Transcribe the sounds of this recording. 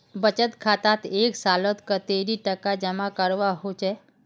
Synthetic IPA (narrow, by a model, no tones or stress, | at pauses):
bət͡ʃət̪kʰat̪at̪eksalot̪kət̪eɾiʈəkad͡ʒəmãkəɾʋaɦot͡ʃʰe